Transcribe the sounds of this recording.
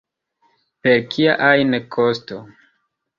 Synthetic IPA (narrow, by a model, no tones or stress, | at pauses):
peɾkʰiaʔajnekʰosto